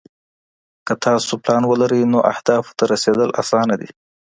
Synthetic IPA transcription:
kət̪ʰɑsoplɑnwəlaɾəjnoʔa̰hd̪ɑft̪aɾased̪əlʔa̰sɑnad̪i

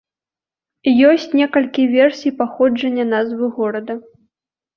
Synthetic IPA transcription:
jɔsʲt͡sʲnʲɛkɐlʲkʲivʲɛrsʲijpaxɔd͡ʐɐnʲːɐnazvɨɣɔɾɐd̪ɐ

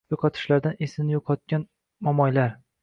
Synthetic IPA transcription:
joqʰɒt̪ʰɪ̥ʃlaɾd̪anesɪnɪjoqʰɒt̪̚kʲan | mɒmɒjlaɾ

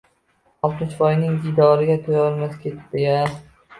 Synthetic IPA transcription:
ɒlˠt̪mɪt͡ʃfɒjnɪŋdid̪ɒɾɪɡʲat̪ʰojɒlˠmaskʲʰet̪d̪ɪɡʲa

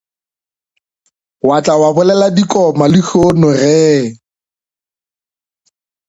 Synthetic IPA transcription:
wat͡ɬʼawabʊlɛladikʼɔmalɪhonʊrɛː

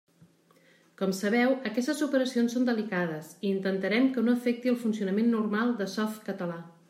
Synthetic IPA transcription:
kɔmsəβɛwəkɛst̪əzupəɾəsionsond̪əlikað̞əsiːnt̪ənt̪əɾɛmkənoəfɛk̚t̪iəlˠfunsiunəmenːurmalˠd̪əsɔft̪kət̪əla

